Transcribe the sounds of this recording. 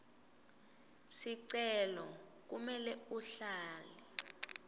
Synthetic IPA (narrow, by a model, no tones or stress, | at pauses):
siǀɛlɔ | k̬umɛlɛuɬaːli